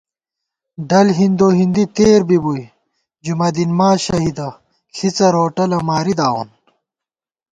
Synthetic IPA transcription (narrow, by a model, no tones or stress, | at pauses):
ɖɐlɦind̪oːɦind̪it̪eːɾbibuj | d͡ʑumɐd̪inmaːɕɐɦid̪ɐ | ɬʰit͡sɐɾoːʈɐlɐmaːɾid̪aːwo̰n